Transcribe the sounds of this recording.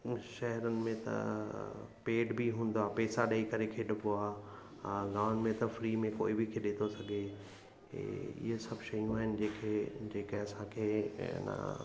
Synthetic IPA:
ʃɛɦɾənɪ̆mẽt̪ɐ̰ | peːɖbʱiɦũːn̆d̪aːpɛːsaɗɐikɐɾekʰeɗɪpoãː | ɡãːɳmẽt̪ɐfɾiːmẽkoːibikʰeɗeːt̪ʰosɐɡʱe | ɪ̰ɦesɐbʱʃɐjũaːɦɪnɪ̆d͡ʑeːkʰed͡ʑeːkeɐsãkʰḛːna̰

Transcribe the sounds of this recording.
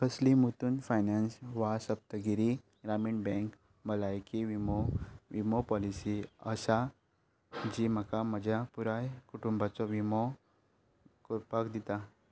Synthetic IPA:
kʰəslimut̪uːnfajnansʋasəp̚t̪əɡiɾi | ɡɾamiːɳbɛ̃ŋk | məlajkiʋmoʋimopɔlisiə̰sa | d͡ʑim̤əkaməd͡ʑapuɾajkuʈumbat͡sɔʋimɔ | kopəkd̪it̪a

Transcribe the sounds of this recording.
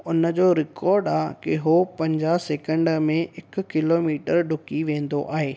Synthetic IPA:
ʊnəd͡ʑoːɾɪkɔːɾɖaːɦkeɦopɐ̃ɲd͡ʑaːseːkə̃ɳɖmẽɪkkɪloːmiːʈəɾɖʱʊkiʋẽːn̆d̪oʔaːɦeː

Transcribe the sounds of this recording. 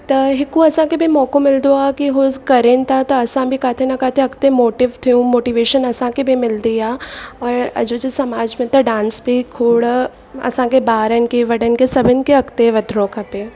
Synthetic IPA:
t̪ɐɦɪkũɐsãkebʱimɔːkõmɪld̪oakiɦokɐɾẽːnt̪ʰat̪ɐɐsãbʱikaːt̪ʰenakaːt̪ʰeɐkt̪emoːʈɪʋt̪ʰijũmoːʈiʋeːʃənɐsãkebʱimɪld̪iaːɔːɾɐ̰d͡ʒoːd͡ʒesɐmaːd͡ʒmẽt̪ɐɖãːnsbʱikʰoːɽ | ɐ̰sãːkebaːɾənkeʋɐɖənkesɐbɪnkeɐkt̪eʋɐd̪ɾõːkɐpe

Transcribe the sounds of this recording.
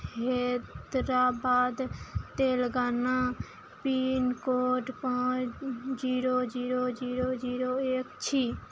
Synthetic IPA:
ɦeːd̪ɾabaːd̪t̪eːlɡaːna | piːnkoːʈpãː | d͡ʒiːɾod͡ʒiːɾod͡ʒiːɾoːd͡ʒiːɾoeːkt͡ʃʰiː

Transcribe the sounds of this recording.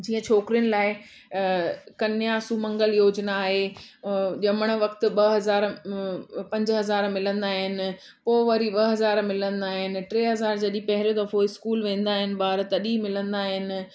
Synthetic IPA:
d͡ʑiːə̃t͡ɕʰoːkɾijʊnɪ̆laːɪ | kɐnjaːsumɐ̃ŋɡəljoːd͡ʑnaːɦeː | ʄɐməɽ̃̆ʋɐkt̪ɓɐɦɐzaːɾ | pɐ̃ɲd͡ʑɦɐzaːɾmɪlə̃nd̪aːɦɪnɪ̆ | poːʋɐɾiɓɐɦɐzaːɾmɪlə̃nd̪aːɦɪnɪ̆ʈɾeːɦɐzaːɾd͡ʑɐɗĩpɐɦɪɾod̪ɐfoɪskuːlʋẽːn̆d̪aːɦɪnɪ̆ɓaːɾt̪ɐɗimɪlə̃nd̪aːɦɪnɪ̆

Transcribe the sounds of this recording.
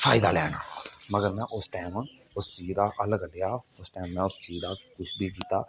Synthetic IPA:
pʰaːɪd̪aːlɛːna̰ːməɡəɾmɛ̃ːʔʊsʈɛːm | ʊst͡ʃiːd͡ʒd̪aːʔələɡlɪaːʊsʈɛːmnɛ̃ːʊst͡ʃiːd͡ʒd̪aːkʊt͡ʃʰbʱiːkiːt̪aː

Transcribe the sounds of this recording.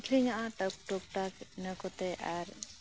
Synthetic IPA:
kʰɾiɲaʔaʈak̚ʈɔk̚ʈaknəkɔt̪ɛʔaɾ

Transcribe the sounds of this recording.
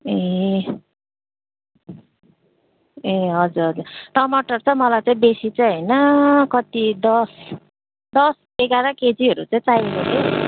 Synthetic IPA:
e | eɦʌd͡zurɦʌd͡zurʈʌmaʈʌrt͡sʰʌmʌlajt͡saĩbesit͡sãɦʌjnʌkʌt̪id̪ʌs | d̪ʌs | eɡaɾʌked͡ziʌɾṵt͡saĩt͡sajekot̪e

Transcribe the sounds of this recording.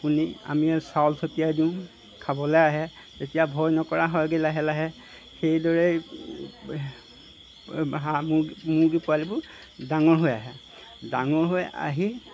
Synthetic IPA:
punia̰misawltʰotiadiʊ̃ | kʰabɔlɛaɦɛ | tetijabʱɔjnɔkɔɹaɦɔjɡɛlaɦɛlaɦɛ | xejdɔɹɛj | ɦamumʊɡipʊalibʊ | daŋɔɹɦojaɦɛ | daŋɔɹɦoja̰ɦi

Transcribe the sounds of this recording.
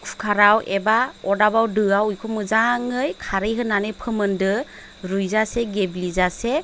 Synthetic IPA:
kkʰaɾawʔɛbaɔdabawdɯawujkʰɔmɯzaŋɯjkʰaɾɯjɦɯnːanepʰɯmɯndɯ | ɾujzasɛɡeblizasɛ

